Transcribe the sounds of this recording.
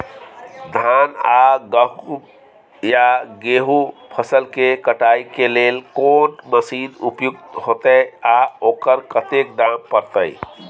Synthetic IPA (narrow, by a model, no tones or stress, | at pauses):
d̪ʱanaɡəɦ | jaɡeɦupʰəsəlkekəʈajkelelkonməsid̪upjuk̚t̪ɦot̪əaokəɾkət̪ek̚d̪ampəɾt̪əj